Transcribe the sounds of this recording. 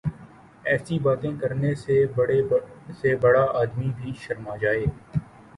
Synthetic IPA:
ɛːsibaːt̪ẽkɐɾnese | sebɐɽaʔaːd̪mibʱiʃɐɾmad͡ʒaːeː

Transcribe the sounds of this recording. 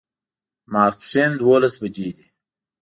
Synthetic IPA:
mɑːɾt̪send̪wolasbad͡ʒeːd̪i

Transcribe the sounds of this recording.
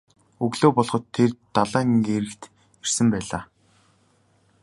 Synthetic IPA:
ɵɣɮoːpɔɮχɞ̆t̪ʰːert̪aɮaːŋɡeɾɘ̆kt̪ | er̥sɘ̆mpæːɮaː

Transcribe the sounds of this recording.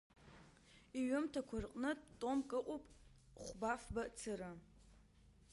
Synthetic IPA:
iɥʊmtʰakʷʰarqʼnɨtʼtʼomkʼɨqʼopʼχʷbafbat͡sʰɨɾa

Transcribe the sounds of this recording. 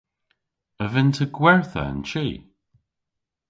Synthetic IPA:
əvɪntʰəɡwɛɹθə̰ə̰nt͡ʃiː

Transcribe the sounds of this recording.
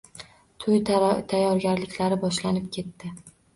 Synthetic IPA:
t̪ʰʊjt̪ʰajːɒɾɡʲaɾlɪkʲlaɾɪbɒʃlanɪp̚kʲʰe̞t̪ːɪ

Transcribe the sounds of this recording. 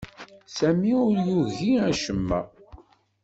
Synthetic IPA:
sæmiʊɾjuɣiæʃəmːæ̰

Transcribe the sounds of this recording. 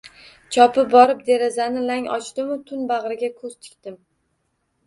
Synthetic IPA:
t͡ʃʰɒpʰɪbɒɾɪp̚d̪e̞ɾazanɪlaŋɒ̰t͡ʃd̪ɪmʊt̪ʰʊnbaʁɾɪɡʲakʰɵz̥t͡ʃ̪ʰɪ̥kʲt̪ɪm

